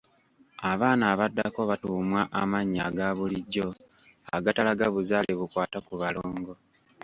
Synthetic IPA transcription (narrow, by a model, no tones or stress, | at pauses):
aβaːnaːβadːa̰ko̞βatuːmwaʔamaɲːaɡaβuliɟːo̞ | a̰ɡatalaɡaβuzaːleβukwaːtakuβaloːŋɡo̞